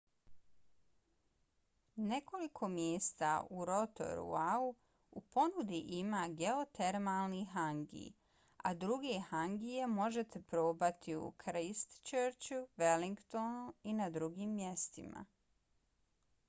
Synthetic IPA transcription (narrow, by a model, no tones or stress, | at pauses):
ne̞ko̞likʰo̞mjeːst̪a̰uɾo̞t̪o̞̰ɾṵau | upo̞nud̪iʔimaːɡeot̪e̞ɾmalˠniɦaŋɡḭj | ad̪ɾuɡehaŋɡije̞mo̞ʒe̞t̪e̞pɾo̞ːbat̪ʰiṵkʰɾist̪t͡ʃəɾt͡ɕuʋeliŋɡt̪onuinad̪ɾuɡiːmːje̞st̪ḭma̰